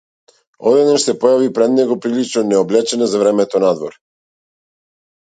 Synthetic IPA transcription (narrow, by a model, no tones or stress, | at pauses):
ɔd̪ɛd̪naʃsɛpɔjavipɾɛd̪nɛɡɔpɾilit͡ʃnɔnɛɔblɛt͡ʃɛnazavɾɛmɛt̪ɔnad̪vɔɾ